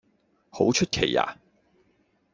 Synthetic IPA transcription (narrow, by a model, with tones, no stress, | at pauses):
ho˨˥wt͡ʃʰɵ˥t̚kʰe˨˩jːa̰ː˨˩